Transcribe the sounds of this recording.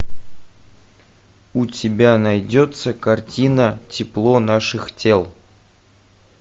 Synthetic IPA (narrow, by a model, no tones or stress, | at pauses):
utʲɪbʲanɐjdʲot̪səkɐrtʲinətʲɪplˠonaʂɨxtʲe̞lˠ